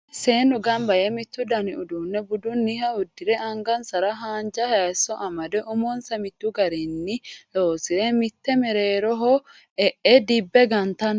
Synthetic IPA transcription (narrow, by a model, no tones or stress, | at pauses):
seːnʊɡɐmbɐjɛmɪt̪ːʊd̪ɐnɪʊd̪uːnːɛbʊd̪ʊnːɪhɐʊd̪ːɪɾɛɐŋɡɐnsɐɾɐɦaːnd͡ʒɐhɐsɔʔɐmɐd̪ɛʔʊmɔnsɐmɪt̪ːʊɡɐɾɛnːɪloːsɪɾɛmɪt̪ːɛmɛɾeːɾɔɦɔ | ɛʔɛd̪ɪbːɛɡɐnt̪ɐn